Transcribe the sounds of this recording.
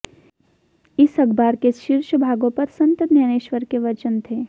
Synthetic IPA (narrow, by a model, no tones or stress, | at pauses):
ɪsɐɡbaːɾkeʃɪɾʃəbʱaːɡõpɐɾsɐ̃nt̪ət̪nɐñeːʃʋəɾkeʋɐt͡ʃənt̪ʰeː